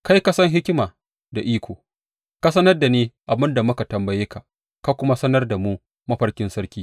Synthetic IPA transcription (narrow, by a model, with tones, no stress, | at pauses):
ka˦jka˦sɐ˦ŋɦɪ˦kʲɪ˦maː˨ | da˨ʔiː˦kʷoː˨ | ka˦sɐ˦nɐ˦rda˨neː˦ʔa˨bɪ˦nda˨mʊ˦ka˨tɐ˨mbɐ˨jeː˦ka˨ | ka˦kʷʊ˦ma˦sɐ˦nɐ˦rda˨muː˦ | mɐ˦ɸɐ˦rkʲɪ˦nsɐ˦ɽkʲiː˦